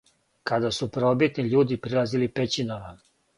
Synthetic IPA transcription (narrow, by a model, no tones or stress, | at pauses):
kad̪asupɾobit̪niʎuːd̪ipɾilˠazilipet͡ɕinama